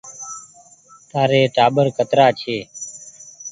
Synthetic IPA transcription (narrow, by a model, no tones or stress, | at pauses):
t̪aːɾeːʈaːɓəɾkət̪ɾaːt͡ʃʰeː